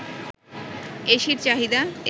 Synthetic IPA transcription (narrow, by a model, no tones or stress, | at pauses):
eʃiɾt͡ɕaɦid̪ae